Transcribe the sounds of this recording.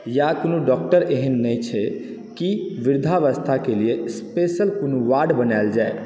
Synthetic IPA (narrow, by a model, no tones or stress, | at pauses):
jakonuɖɔk̚ʈəɾeɦənːət͡ʃʰɛ | kiʋiɾd̪ʱaʋəst̪ʰakeliespesəlkonoʋaɖbənald͡ʒae